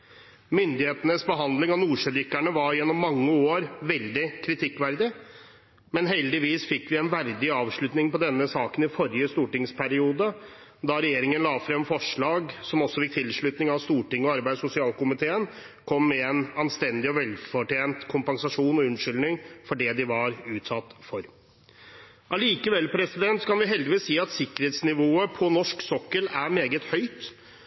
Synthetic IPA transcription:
mʏnd̪ɪheːt̪ənəsbəɦɑnd̪lɪŋɑnuːʂɛd̪ʏkːæɳəʋɑɾjɛnːɔmːɑŋːəoːɾʋɛld̪ɪkʰɾɪt̪ʰɪkːʋæɾd̪ɪ | mɛnɦɛld̪ɪʋiːsfɪkːʋɪɛnʋæɾd̪ɪɑːʋʂɭʉt̪nɪŋpɔd̪ɛnːəsɑːkənɪfɔɾɪjəst̪uːʈɪŋspʰæɾɪuːd̪ə | d̪ɑɾɛjeːɾɪŋənlɑːfɾɛmfɔʂɭɑːɡsɔmɔsːɔfɪk̚t̪ʰɪlʂɭʉt̪nɪŋɑʋst̪uːʈɪŋːɔɑɾbæɪsʊsɪɑːlkʊmɪt̪ʰeːən | kʰɔmːɛɛnɑnst̪ɛnd̪ɪɔʋɛlfɔʈeːnt̪kʰʊmpɑnsɑʂuːnɔʉnʂʏlnɪŋfɔɖɛd̪ɪʋɑɾʉːt̪sɑt̪ːfɔɾ | ʔɑliːkəʋɛlpʰɾɛsɪd̪ɛnt̪skɑnʋɪɦɛld̪ɪʋiːsːiːɑt̪sɪkːəɾheːt̪snɪʋoːəpʰɔnɔʂksɔkːəlæɾmeːɡət̪hœʏt̪

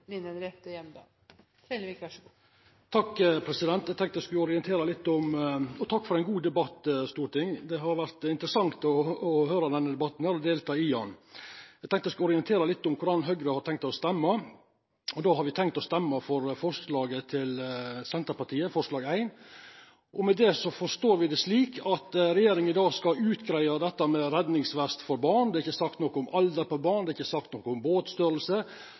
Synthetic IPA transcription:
lɪnənɾɛpt̪əjɛmd̪ɑ | t̪ʰɾed̪ʋɛkːɑʂɡ | t̪ʰɑkːəpʰɾɛsɪd̪ɛnt̪æɪɡt̪ɛŋkt̪əɛskɪɔɾɪɛnt̪ʰeːɾəlɪt̪ːɔmɔt̪ʰɑkːfɔɾæɪnɡuːd̪ɛbɑt̪ːəst̪uːɾʈ̪ɪŋd̪ɛɦɑɾʋæɾt̪ɪnt̪ɾəsɑŋt̪ɔːhøːɾɔd̪ɛnːəd̪ɛbɑt̪ːn̩hæːɾɔd̪eːlt̪ʰɑːɪɑnɛɡt̪ɛŋkt̪ɛskɔɾɪənt̪ʰeːɾəlɪt̪ːʊmkʰʊɾɑnːɦœɡɾəhɑɾʈ̪ʰɛŋkt̪ɔst̪ɛmːɑ | ɔd̪oːhɑɾʋɪt̪ʰɛŋkt̪ɔst̪ɛmːɑfɔɾfɔʂlɑːɡət̪ʰɪlsɛnt̪əɾpɑʈ̪ʰiːəfɔʂlɑːɡæɪn | ʔɔmɛd̪ɛsɔfɔʂt̪oːɾʋɪd̪ɛʂliːkʰɑt̪ɾɛjeːɾɪŋənɪd̪ɑːɡskɑʉːt̪ɡɾæɪɑd̪ɛt̪ːəmɛɾɛd̪nɪŋsʋæst̪fɔɾbɑːɳd̪ɛːɾɪçːəsɑkt̪nɔkːʊmɑld̪əɾpɔbɑːɳd̪ɛːɪçːəsɑkt̪nɔkːəʊmboːt̪st̪œɾəlsə

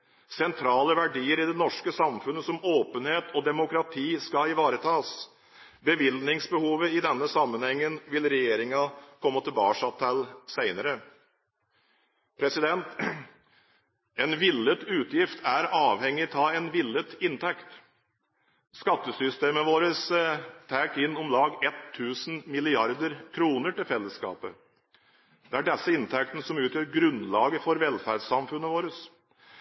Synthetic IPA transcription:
sɛnt̪ʰɾɑːləʋæɖiːəɾɪd̪ɛnɔʂkəsɑmfʉnːəsɔmoːpənheːt̪ʰɔd̪ɛmʊkɾɑt̪ʰiːskɑɪʋɑːɾət̪ʰɑːs | bəʋɪlnɪŋsbəhuːʋəɪd̪ɛnːəsɑmːənhɛŋːənʋɪlɾɛjeːɾɪŋɑkʰɔmːət̪ʰɪlbɑ̰ːʂɑt̪ʰɛlsæɪnəɾə | pʰɾɛsɪd̪ɛnt̪ | ɛnʋɪlːət̪ʉːt̪jɪft̪ʰæɾɑːʋhɛŋːɪt̪ʰɑːɛnʋɪlːət̪ɪnt̪ʰɛkt̪ | skɑt̪ːəsʏst̪eːməʋoːɾəst̪ʰæːkɪnːɔmlɑːɡɛt̪ʰːʉːsn̩mɪlɪɑɾd̪əɾkʰɾuːnəʈɪlfɛlːəskɑ̰ːpə | d̪̥ɛæɖɛsːəɪnt̪ʰɛk̚t̪nəsɔmʉːt̪jøːɾɡɾʉnlɑːɡəfɔɾʋɛlfæɾɖsɑmfʉnːəʋoːɾəs

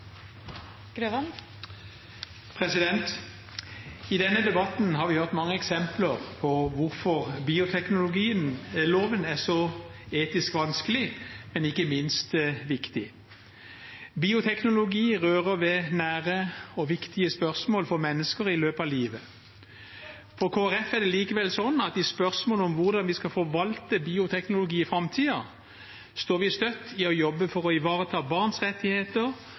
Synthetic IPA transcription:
ɡ̥ɾøʋɑn | pʰʁɛsɪd̪ɛnt̪ | id̪ɛnːəd̪ɛbɑt̪n̩hɑːʁʋɪhœʁt̪mɑŋːəɛksɛmpləʁpʰɔʋʊʁfɔʁbiːʊt̪ʰɛknʊlʊɡiːənloːʋənæʁsɔeːt̪ɪskʋɑnskəlɪmɛnɪkːəmɪnst̪ʋɪkt̪ɪ | biːʊt̪ʰɛknʊlʊɡiːʁøːʁəʋɛnæːʁəɔʋɪkt̪ɪəspœʁsmoːlfɔʁmɛnːəskəɾɪløːpɑʋliːʋə | fɔɾkʰoːæɾɛfæd̪ɛliːkəʋɛlsɔnːɑt̪ɪspœʁsmoːlʊmʋʊʁd̪ɑnʋɪskɑfɔʋɑlt̪əbiːʊt̪ʰɛknʊlʊɡiːɪfɾɑmt̪ʰiːɑ | st̪oːɾʋɪst̪œt̪ːɪɔjɔbːəfɔɾɔɪʋɑːʁət̪ʰɑːbɑʁnsʁɛt̪ːɪheːt̪əɾ

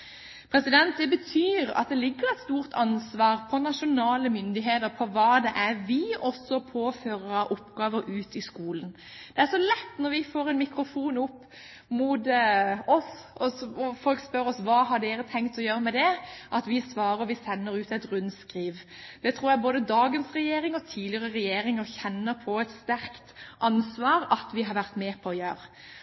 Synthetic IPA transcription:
pʰɾɛsɪd̪ɛnt̪̚d̪ɛbət̪ʰyːɾɑ̰t̪̚d̪ɛlɪɡːəʁɛɪt̪st̪uːʁt̪ʰɑnsʋɑːʁpʰɔnɑʂʊnɑːləmʏnd̪ɪɦeːt̪əɾpʰɔʋɑːd̪ɛʔæɾʋɪɔsːɔpʰoːføːɾəʔʊpɡɑːʋəɾʔʉːt̪ɪskuːlən | d̪̥ɛæʂɔlɛt̪ːnɔɾʋɪfoːɾɛnmɪkɾʊfuːnʊpː | mʊd̪ɔsɔsɔfɔlkspœɾɔsʋɑːɦɑɖeːɾət̪ʰɛŋkt̪ɔjøːɾəmɛd̪ɛʔɑt̪ʋɪsʋɑːɾəʋɪsɛnːəɾʉːt̪ɛt̪ɾʉnskɾiːʋ | d̪̥ɛt̪ʰɾuːɾjæboːd̪əd̪ɑːɡənsʁɛjeːɾɪŋɔt̪ʰiːd̪lɪəɾəʁɛjeːɾɪŋəçɛnːəpʰɔɛt̪st̪æɾkt̪ʔɑnsʋɑːɾɑt̪ʋɪɦɑɾʋæɾt̪meːpʰɔɔjøːɾə

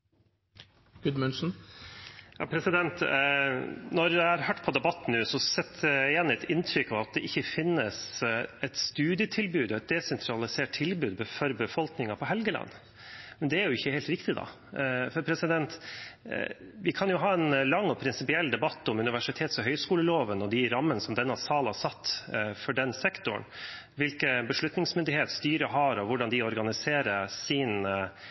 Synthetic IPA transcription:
ɡ̥ʉd̪mʉnʂn̩ | jɑ̰ːpʰɾɛsɪd̪ɛnt̪ | nɔɾd̪æhɑɾhœːʈːpʰɔd̪ɛbɑt̪ːn̩ːʉːsɔsɛt̪ʰːɛːnɪt̪ʰɪnt̪ʰɾʏkːɑʋɑt̪̚d̪ɛʔɪçːəfɪnːəsɛt̪st̪ʉːd̪ɪət̪ʰɪlbʉːd̪ɛt̪̚d̪ɛsɛnt̪ʰɾɑlɪseːʈ̚t̪ʰːɪlbʉːd̪̚bəfɔɾbəfɔlknɪŋɑpʰɔɦɛlɡəlɑ̰nː | mɛnd̪ɛæɾjʊɪçːəheːlt̪ɾɪkt̪ɪd̪ɑ̰ | fɔɾpʰɾɛsɪd̪ɛnt̪ | ʋɪkʰɑnjʊɦɑːɛnlɑŋːɔpʰɾɪnsɪpɪɛlːd̪ɛbɑt̪ːɔmʉnɪʋæʂɪt̪ʰeːt̪sɔɦœʏskuːləloːʋənɔd̪ɪɾɑmːənəsɔmd̪ɛnːɑsɑːlhɑsɑt̪ːfɔɖɛnsɛkt̪ʊ̰ɳ | ʋɪlkəbəʂɭʉt̪nɪŋsmʏnd̪ɪheːt̪st̪yːɾəɦɑɾɔʋʊɖɑnd̪ɪɔɾɡɑnɪseːɾəɾsɪn

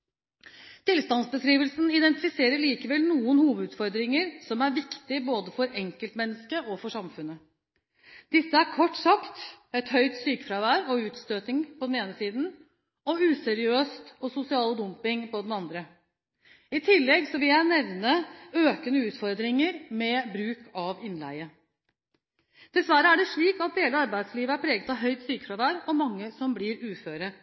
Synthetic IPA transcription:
t̪ɪlst̪ɑnsbəskɾiːʋəlsnɪd̪ɛnt̪ɪfɪseːɾəɭiːkəʋɛlnuːənhuːʋəʉːd̪fɔɾd̪ɾɪŋəɾsɔmæɾʋɪkt̪ɪboːd̪əfɔɾɛŋkəlt̪mɛnːəskəʔɔfɔʂɑmfʉnːə | d̪̥ɪsːəæɾkʰɔʈːsɑkt̪ɛt̪hœʏt̪syːkə̥fɾɑʋæːɾɔʉːt̪st̪øːt̪ɪŋpʰɔd̪ɛneːnəsiːd̪n̩ | ɔʉːsɛɾɪøːst̪ɔsʊsɪɑːləd̪ʊmpɪŋpɔd̪ɛnɑnd̪ɾə | ɪt̪ʰɪlːɛɡsɔʋɪljæɪnɛʋnəøːkənəʉːt̪fɔɾd̪ɾɪŋəɾmɛbɾʉːkʰɑʋɪnlæ̰ɪə | d̪̥ɛsʋæɾəæɖɛʂɭiːkɑt̪̚d̪eːləɑɾbæɪd̪sliːʋəæɾpʰɾeːɡət̪ɑɦœʏt̪syːkə̥fɾɑʋæːɾɔmɑŋːəsɔmblɪɾʉːføːɾə

